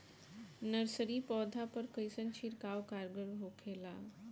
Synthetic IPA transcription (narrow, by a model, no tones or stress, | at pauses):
nəɾsəɾiːpɔd̪ʱapəɾkəjsənt͡ɕʰiɾkaʋkaɾɡəɾɦokʰela̰